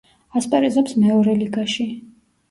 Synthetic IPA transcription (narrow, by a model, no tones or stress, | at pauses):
aspʼɛɾizɛpsmɛɔɾɛliɡaʃi